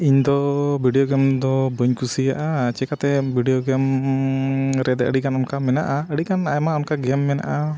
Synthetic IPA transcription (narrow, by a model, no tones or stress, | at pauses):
iɲd̪ɔbʱiɖijoɡɛmd̪ɔbəɲkusijaʔat͡ʃɛkat̪ɛbʱiɖijoɡɛm | ɾɛd̪ɛəɽikanɔnkamɛnaʔaəɽikanajmaɔnkaɡɛmːɛna̰ʔa